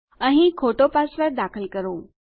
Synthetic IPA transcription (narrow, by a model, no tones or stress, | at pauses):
ə̃ɦĩkʰoʈopasʋəɾd̪akʰəlkəɾoː